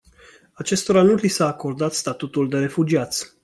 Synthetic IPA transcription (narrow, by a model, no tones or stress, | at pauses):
at͡ʃe̞st̪oɾanulisaːko̞rd̪at̪st̪at̪ut̪uld̪e̞ɾe̞fud͡ʒiat̪sʲ